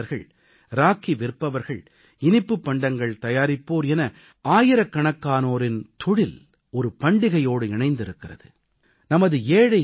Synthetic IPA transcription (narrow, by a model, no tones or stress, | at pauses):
ɐɾɣɐ̰ɭ | ɾaːkːiʋɪɾpːɐʋɐɾɣɐɭ | ɪnɪpːɯpːɐɳɖɐŋɡɐɭt̪ɐjaːɾɪpːoːɾɛnɐ | aːjɪɾɐkːɐɳɐkːaːnoːɾɪnt̪ɔɽɪl | ɔɾɯpɐɳɖɪɣɐjoːɽɯɪɳɐɪnd̪ɪɾɯkːɪrɐ̰ðɯ | nɐmɐðɯeːɻɐ